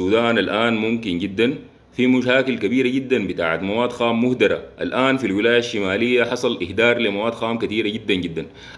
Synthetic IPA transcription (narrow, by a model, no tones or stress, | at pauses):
uːd̪aːnalʔaːnmumkinɟid̪ːan | fimuʃaːkilkabiːɾaɟid̪ːanbit̪a̰ːʕat̪mawaːd̪xaːmːuhd̪ɑɾˤa̰ʔa̰lʔaːnfilwilaːjaʃːimaːlijːaħɑsˤɑlʔɪhd̪ɑːɾˤlimawaːd̪xaːmkat̪iːɾaɟid̪ːanɟid̪ːan